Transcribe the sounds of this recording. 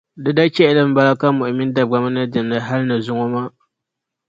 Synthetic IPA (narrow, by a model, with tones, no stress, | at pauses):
dɨ˨da˦t͡ʃɛ˦ʔlɨ˦m̩˦ba˦la˦ka˦mʊ˨ʔɪ˨mi˦n˦da˨b̚ɡa˨ma˦nɨ˦dɨ˨m˨nɨ˨ɦa˦lɨ˦nɨ˨zʊ˦ŋo˦ma˦